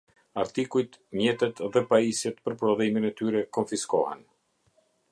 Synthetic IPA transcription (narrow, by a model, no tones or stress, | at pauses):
aɾt̪ikujt̪mjɛt̪ɛt̪ðɛpaisjɛt̪pəɾpɾɔðiminɛt̪yɾɛkɔɱfiskɔ̰hɛ̰n